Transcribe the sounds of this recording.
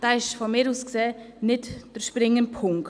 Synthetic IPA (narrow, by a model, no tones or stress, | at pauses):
d̥aːɪʃfɔmɪːɾuːskseː | nɪtd̥əɾʃpɾɪŋːənpʰʊŋk